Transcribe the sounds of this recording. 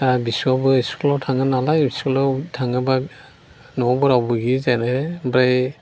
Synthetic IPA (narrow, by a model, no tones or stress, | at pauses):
abiswabɔisklɔtʰaŋanalajbiskɔlɔtʰaŋaba | nɔbɔɾabuɡizanaɛbɾaj